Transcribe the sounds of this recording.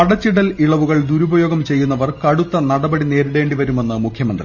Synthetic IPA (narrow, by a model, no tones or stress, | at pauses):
ɐɽɐt͡ɕːiɽɐliɭɐʋuɣɐɭd̪uɾubɐjo̞ːɡɐmt͡ɕe̞jːunːɐʋɐrkɐɽut̪ːɐnɐɽɐbɐɽine̞ːɾiɽe̞ːɳɖiʋɐɾume̞nːɨmukʰjɐmɐnd̪rḭ